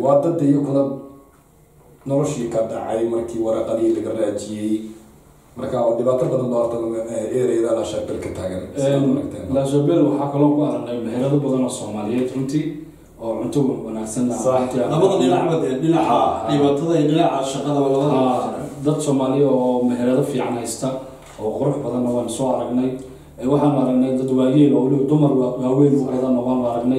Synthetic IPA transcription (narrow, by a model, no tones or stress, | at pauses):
wɑːd̪ɐd̪ɐjɔkʰlɐb | nɔlɔʃikʰɐɖɑ̰ʕɑjmɐrkʰiːwɑɾɑːqɑðɪilɐɣɐraːt͡ʃɪjɛj | mɐrkʰaɖɪβaːt̪ʰɐbɐðɐnlɔrt̪ʰɐlɛːɾɛjðɐlaʃɐbɛlkʰɐt̪ʰaːɣɐnɛɾɐkt̪ʰɛ̰ːnlaːʃɐbɛlwɑħɑːkʰɐlɔːkʰʊɐɾɐɡdɛjmɐhɪɾɐðʊbɐðɐnɔːsɔːmaːlɪjɛːd̪rʊnt̪ʰiː | ɔːʕʊnt̪ʰʊɣʊwɑnaːɡsɐnlɐhasħt̪ʰɪlɐmɐðɐdɪnaʕmɐd̪ɛːɖɪnɐʕaɪβaːt̪ʰɐðɐiɖɪnɑʕaʃɐqɐðɐwɐwɐɐaːd̪ɐd̪sɔːmaːlɪɔːmɛɦɛɾɐðɐfiːʕɑnɛjst̪ʰɐ | ɔːqʊɾʊħbɐðɐnːɐwɑːnʊsɔːɐɾɐɡnɛj | ɛwɑħɑːnʊɐɾɐɡnɛjd̪ɐd̪waːɣiːlɔlɪd̪ʊmɐrwwaːwɛːnʊʔɐjðɐnɔqɔnʊɐɾɐɡnɛj